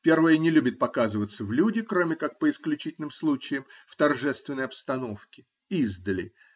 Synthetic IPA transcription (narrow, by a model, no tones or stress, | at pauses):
pʲe̞rvəjənʲɪlʲubʲɪt̪̚pɐkazɨvət̪səvlʲudʲɪkɾo̞mʲɪkak̚pəɪsklʲʉt͡ɕitʲɪlʲnɨmslˠut͡ɕɪjɪmft̪ɐrʐɛst̪vʲɪnːəjɐpst̪ɐno̞fkʲɪ̥ | izd̪əlʲɪ̰